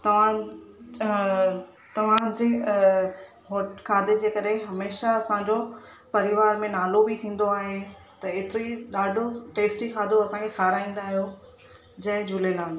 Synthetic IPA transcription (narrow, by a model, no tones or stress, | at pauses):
t̪ɐʋ̤ã | t̪ɐʋ̤ãd͡ʑe | ɦoːʈkʰaːd̪ed͡ʑeːkɐɾeɦɐmeːʃaɐsãɲd͡ʑo | pɐɾɪʋaːɾmẽnaːlobɪt̪ʰĩːn̆d̪oaːɦe | t̪ɐeːt̪ɪɾiɗaːɖʱoʈeːsʈikʰaːd̪oɐsãkʰexʰaːɾaːĩːn̆d̪aːɦijo | d͡ʑɐ̃ɦɪ̃d͡ʑʱulelãːd̪